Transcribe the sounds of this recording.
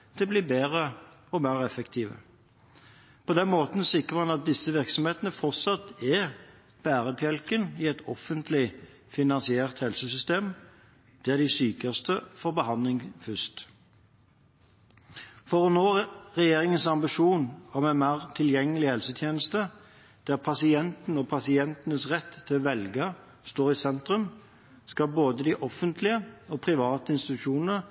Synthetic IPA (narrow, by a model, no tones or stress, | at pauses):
t̪ʰɪbliːbeːʁə | ɔmeːʁɛfəkt̪ʰiːʋə̰ | pʰɔd̪ɛnmoːt̪n̩sɪkʁəɑnɑt̪̚d̪ɪsəʋɪʁksɔmheːt̪ənəfɔʁt̪sɑt̪ːɛ | b̥æːʁəpʰjɛlkənɪɛt̪ʰɔfənt̪ʰlɪ | fɪnɑnsɪeːʁt̪hɛlsəsʏst̪eːm | d̪̥ɛæd̪ɪsyːkəʁst̪əfɔʁbəhɑnlɪŋfʏst̪ | fɔʁɔnoːʁɛjeːʁɪŋənsɑmbɪʃuːnɔmɛnmæːʁt̪ʰɪljɛŋːəlɪhɛlsət̪ʰjeːnəst̪ə | d̪̥æːʁpʰɑsɪɛnt̪n̩ɔpʰɑsɪɛnt̪ənəsʁɛt̪ʰːɪʋɛlɡə | st̪oːʁɪsɛnt̪ʁʉm | skɑboːd̪əd̪iʔɔfənt̪ʰlɪəoːpʰʁɪʋɑːt̪əɪnst̪ɪt̪ʉʃuːnənə